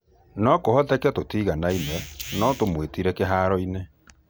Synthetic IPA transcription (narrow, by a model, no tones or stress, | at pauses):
nɔkohɔtɛkɛtotiːɣanaimɛnɔtomwetiɾɛkeɦaːɾɔine